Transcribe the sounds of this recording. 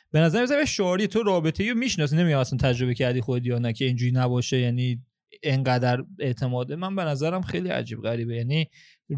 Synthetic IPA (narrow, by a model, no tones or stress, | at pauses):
b̥e̞næzæɾmezæɾmeʃoɾit̪ʰoɾɒːbe̞t̪ʰe̞jɾomiːʃnɒːs̬iːne̞mijɟæmæsænt̪ʰæd͡ʒɾo̞βecʰæɾd̪iːxoed̪jɒːnæcʰe̞ind͡ʒuːɾinæbɒːʃejæniː | eŋɢæd̪æɾe̞ʔt̪ʰe̞mɒːd̪emænbe̞næzæɾæmxejliæ̰d͡ʒiːb̥̚ɣæɾiːbejæni